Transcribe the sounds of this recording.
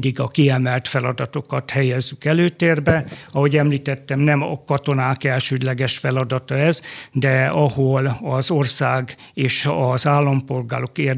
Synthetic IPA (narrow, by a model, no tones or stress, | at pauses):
d̪iɡɒkiɛmɛlt̪fɛlɒd̪ɒt̪o̞kɒt̪hɛjɛzːykɛløːt̪eːrbɛɒho̞ɟɛmliːt̪ɛt̪ːɛmnɛmɒ̰kɒt̪o̞naːkɛlʃøːd̪lɛɡɛʃfɛlɒd̪ɒt̪ɒɛzd̪ɛɒholɒzorsaːɡ | eːʃɒzaːlːɒmpo̞lɡaːɾo̞keːr